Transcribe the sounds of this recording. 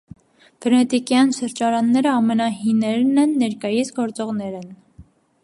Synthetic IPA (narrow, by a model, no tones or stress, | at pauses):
b̥ənɛt̪ikjɑnʃəɾd͡ʒɑɾɑnːɛɾəɑmɛnɑɦinɛɾnɛnːɛɾkɑjisɡɔɾt͡sɔʁnɛɾɛn